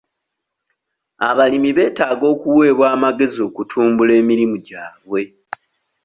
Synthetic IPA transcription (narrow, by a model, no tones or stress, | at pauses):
aβalimiβe̞ːtaːɡo̞ːkuwe̞ːβwaːmaɡe̞zio̞kutʰuːmbule̞ːmiɾimuɟaːβwe̞